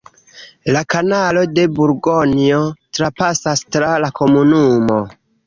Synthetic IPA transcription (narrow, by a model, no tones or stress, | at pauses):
lakanalo̞de̞buɾɡonio̞tɾapasastɾalako̞munumo̞